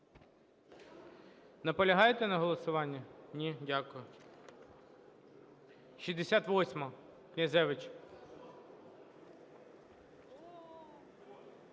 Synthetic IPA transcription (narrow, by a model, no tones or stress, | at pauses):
nɐpɔlʲɐɦɑjet̪ɛnɐɦɔlˠɔsʊʋɑnʲːɐnʲidʲakʊjʊ | ʃizd̪esʲat̪ʋɔsʲmɐ | knʲɐzʲɛʋɪt͡ʃ